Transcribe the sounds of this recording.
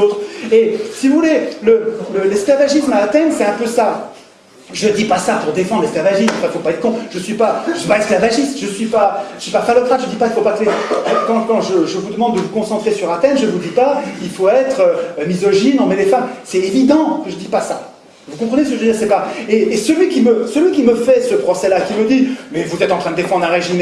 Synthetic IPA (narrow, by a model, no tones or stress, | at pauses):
ot̪χesivuvulelələlɛsklavaʒismaːt̪ɛnsɛt̪ɛ̃pøsa | ʒəd̪ipasapuʁd̪efɑ̃d̪ʁlɛsklavaʒismɑ̃fɛ̃ilfopaɛt̪χəkɔ̃ʒ̥əsɥipaʒəsipaɛsklavaʒist̪ʒ̥əsɥipaʒəsɥipafalɔkχat̪ʒəd̪ipailfopaklekɑ̃kɑ̃ʒəʒəvud̪əmɑ̃d̪ːəvukɔ̃sɑ̃t̪χesyʁat̪ɛnʒəvud̪ipailfoɛt̪χəmizɔʒinɔ̃mɛlefamsɛevid̪ɑ̃kəʒəd̪ipasa | vukɔ̃pχənesəkəʒød̪iːʁsɛpaeːsəlɥikʲiməsəlɥikʲiməfɛsəpχɔsɛlakʲiməd̪imɛvuzɛt̪ɑ̃t̪χɛ̃d̪əd̪efɑ̃d̪ʁɛ̃ʁeʒin